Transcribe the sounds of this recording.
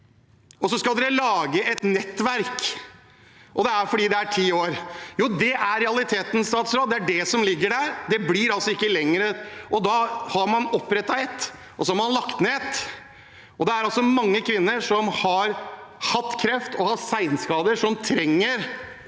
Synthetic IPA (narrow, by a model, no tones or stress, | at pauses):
ʔɔsɔskɑld̪ɛɾɛlɑːɡəʔɛt̪nɛt̪ːʋæɾk | ʔɔd̪ɛæɾfɔɖiːd̪ɛæʈʰiːoːɾjuːd̪ɛʔæɾɾɛɑlɪt̪ʰeːt̪n̩st̪ɑːt̪sɾoːd̪ɛæɖɛsɔmlɪɡːəɖæɾd̪ɛblɪɾɑlsɔɪkːəlɛŋːɾəʔɔd̪ɑːhɑɾmɑnɔpːɾɛt̪ːɑɛt̪ː | ʔɔsɔhɑɾmɑnlɑkt̪neːt̪ | ʔɔd̪ɛæɾɑlsɔmɑŋːəkʰʋɪnːəʂɔmhɑɾhɑt̪ːkʰɾɛft̪ɔhɑt̪sæɪnskɑːd̪əʂɔmt̪ʰɾɛŋːəɾ